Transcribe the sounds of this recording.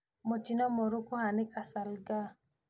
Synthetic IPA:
motinɔmɔɾukohanɪkasalɡa

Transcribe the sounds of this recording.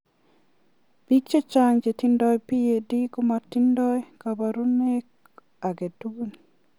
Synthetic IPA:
b̥ikt͡ʃɔt͡ʃaɲd͡ʒetindɔjpijedikɔmatindɔjkabaɾunek | aɡetuɡni

